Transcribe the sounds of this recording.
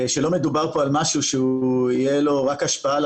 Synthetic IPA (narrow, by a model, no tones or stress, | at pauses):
ʃelo̞med̪ubaʁpo̞almaʃuʃeuijelo̞ʁakaʃpaal